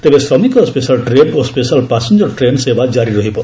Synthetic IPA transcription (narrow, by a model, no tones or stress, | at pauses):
t̪ebesɾɔmikɔspesalʈɾeɖospesalpasend͡ʒɔɾʈɾensebad͡ʒaɾiɾɔɦibɔ